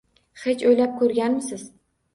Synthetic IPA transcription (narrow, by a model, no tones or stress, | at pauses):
χet͡ʃojlap̚kʰɵɾɡʲanmɪsɪz̥